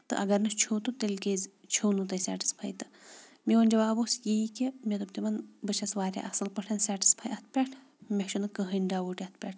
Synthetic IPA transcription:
t̪ɨ̰ʔɐɡɐɾnɨt͡ʃʰoːt̪ut̪elʲkeːzʲt͡ʃʰownut̪ɐsʲa̰ːʈi̥spʰɐjt̪ɨ | mʲiɐnʲd͡ʒɐʋaːbosjeikʲimʲet̪ɐbt̪imɐnbɨt͡ʃʰɐsʋaːɾʲa̰ʔɐsɐlpɐʈʰɐnsaːʈi̥spʰɐjɐt̪̚ʰpʲɐʈʰ | mʲekʃunɨkəɦənɖaːʋoːʈiɐt̪ʰpʲɐʈ̚ʰ

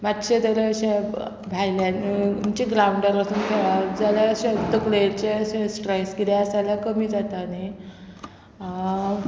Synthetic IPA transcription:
mat̪ɕet̪əɾeɕe | bʱajljanit͡ɕeɡɾawɳɖəɾəsuːnkʰeɭad͡zalaɕet̪əkleɾt͡ɕeɕẽsʈɾajsɡid̪ɛasaljakəmiːd͡zat̪ani

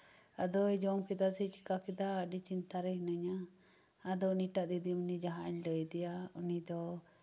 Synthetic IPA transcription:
ad̪ɔɛd͡ʒɔmkɛd̪asit͡ʃi̥kakɛd̪aəɖit͡ʃint̪aɾɛhnəɲaː | d̪ɔuniʈaʔd̪id̪imunid͡ʒaɦaɲləjd̪ɛjaunid̪ɔ

